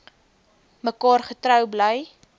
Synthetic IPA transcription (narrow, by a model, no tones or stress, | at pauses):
məkɑːrχətɾœwbləj